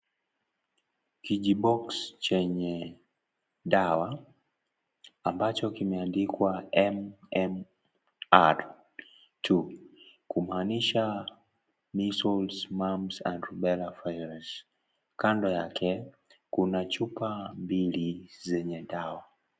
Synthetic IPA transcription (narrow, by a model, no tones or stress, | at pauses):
kiʄiɓɔkst͡ʃɛɲɛ | ɗawa | ambat͡ʃɔkimɛandikwaɛmɛm | aɾ | tʰukumaːniʃa | misɔlzmamza̰ndɾuɓɛlafajɾz̥ | kandɔjakʰɛ | kunat͡ʃupambilizɛɲɛɗawa